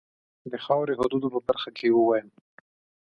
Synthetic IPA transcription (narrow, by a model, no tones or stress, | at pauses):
d̪əxɑwɾeɦʊd̪ud̪opəbaɾxakʰewəwɑjəm